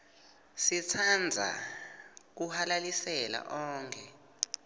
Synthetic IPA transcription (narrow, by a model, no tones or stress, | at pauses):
sit͡sʰand͡zʱa̰ | k̬uhalalisɛla̰ʔɔːŋkʰɛ